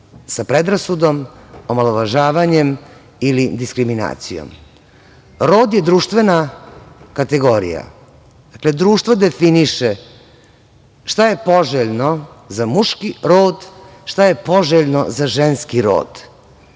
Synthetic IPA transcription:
sapɾed̪ɾasud̪o̞momaloʋaʒaːʋaɲem | ilid̪iskɾimina̰ːt̪sijo̰m | ɾo̞ːd̪jed̪ɾuːʃt̪ʋe̞na | kat̪eɡo̞ɾḭja̰ | d̪̥akle̞d̪ɾuːʃt̪ʋod̪efiniʃe | ʃt̪ajepo̞ʒeʎnozamuʃkiɾoːd̪ʃt̪ajepo̞ʒeʎnozaʒenskiɾo̰ːd̪̥

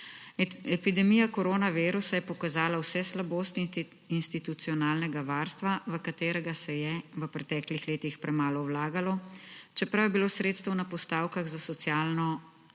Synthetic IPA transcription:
ɛpid̪ɛmijakɔɾoːnaʋeːɾusajɛpɔkazaːlawsɛslaboːst̪ | inst̪it̪ut̪sijɔnaːlnɛɡaʋaːɾst̪ʋaʋəkat̪eːɾɛɡasɛjɛʋəpɾɛt̪ɛːklixleːt̪ixpɾʔɛmaːlɔwlaːɡalɔt͡ʃɛpɾawjɛbiloːsɾeːt̪st̪əwnapɔst̪aːwkaɣzasɔt̪sjaːlnɔ

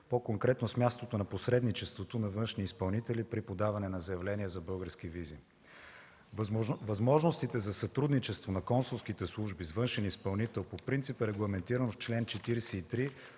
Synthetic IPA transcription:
pokoŋkɾɛt̪nosmʲjast̪ot̪onɐposɾɛd̪nit͡ʃɛst̪vot̪onɐvɤnʃniːspɐlˠnit̪ɛlipɾipod̪avɐnɛnɐzɐjɐvlɛniəzɐbɤlˠɡəɾsk̟ivizi | vɐzmɔʒnost̪it̪ɛzɐsɐt̪ɾud̪nit͡ʃɛst̪vonɐkɔnsʊlˠsk̟it̪ɛslˠuʒbizvɤnʃɛnispɐlˠnit̪ɛlˠpopɾint̪sipəɾɛɡlˠɐmɛnt̪iɾənoft͡ʃlɛnt͡ʃɛt̪iɾɛsɛit̪ɾi

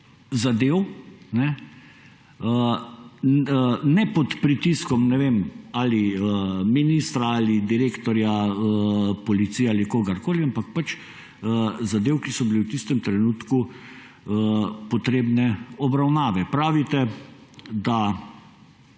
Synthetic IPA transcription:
zad̪eːwnɛ | ə | nɛpɔt̪pɾit̪iskɔmnɛʋeːmaːliəminist̪ɾaalid̪iɾeːkt̪ɔɾjaəpɔlit̪siːjɛalikoːɡaɾkoːliampak̚pat͡ʃ | əzad̪eːwkisɔbiliwt̪ist̪ɛmt̪ɾɛnuːt̪ku | əpɔt̪ɾeːbnɛɔbɾawnaːʋɛpɾaːʋit̪ɛ | d̪a

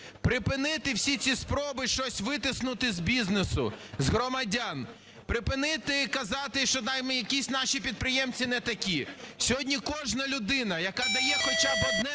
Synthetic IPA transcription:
pɾɪpɪnɪt̪ɪwsʲit͡sʲispɾɔbɪʃt͡ʃɔsʲʋɪt̪ɪsnʊt̪ɪzbʲiznesʊ̰zɦɾɔmɐdʲan | pɾɪpɪnɪt̪ɪkɐzɑt̪ɪʃt͡ʃɔd̪ɑjmɛjɐkʲisʲnɑʃʲipʲid̪̚pɾɪjɛmt͡sʲinɛt̪ɐkʲisʲɔɦɔdʲnʲikɔʒnɐlʲʊd̪ɪnɐjɐkɑd̪ɐjɛxɔt͡ʃabɔd̪nɛ

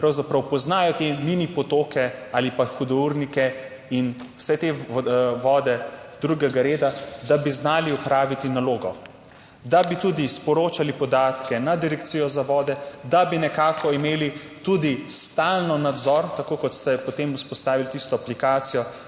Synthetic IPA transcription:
pɾawzapɾɐwpɔznaːjɔt̪eminipɔt̪oːkɛaːlipaxud̪ɔuɾnikɛ | inwsɛt̪eʋɔːd̪ɛd̪̥ɾuɡɛɡaɾeːd̪ad̪abiznaːliɔpɾaːʋit̪inaloːɡɔ | d̪abit̪ud̪ispɔɾoːt͡ʃalipɔd̪aːt̪kɛnad̪iɾɛkt̪sijɔzaʋɔːd̪ɛd̪abinɛkaːkɔimeːli | t̪ud̪ist̪aːlnɔnad̪zɔɾt̪akoːkɔt̪st̪ɛpɔt̪emuspɔst̪aːʋilt̪ist̪ɔaplikaːt̪sijɔ

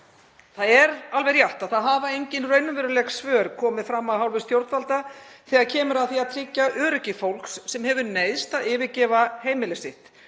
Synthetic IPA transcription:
θaðɛɾalvɛɾjaht̪aðθaðɦaːvaejɲcɪnrœɥnʏvɛːɾʏlɛxsvœːɾ̥kʰɔːmɪðfɾamːawɦawlvɪst̪jowɾt̪valt̪aθɛɣaðcʰɛːmʏɾaðθiaðt̪ʰɾɪcːaʔœːɾʏcɪfowlksːɛmhɛvʏɾneːjðst̪aðɪːvɪcɛːvaheːjmɪlɪsɪht̪

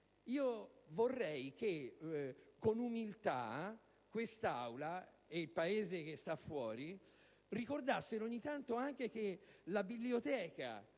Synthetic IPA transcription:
iːovorːɛjk̟e | konumilt̪a̰ | kwest̪a̰wla | eilpaeːzek̟est̪afːwɔːɾi | rikord̪asːeɾoɲːit̪ant̪oaŋk̟ek̟elabibliot̪ɛːka̰

